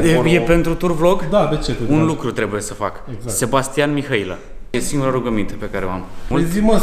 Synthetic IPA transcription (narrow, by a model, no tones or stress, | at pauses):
jejepe̞nt̪ɾut̪urvlo̞ɡd̪ad̪et͡ʃeunlukɾut̪ɾe̞buje̞səfa̰kɡzse̞bast̪ianmixailə̰ | jesiŋɡuɾəɾuɡəmint̪əpe̞kaɾeoa̰mmult̪imə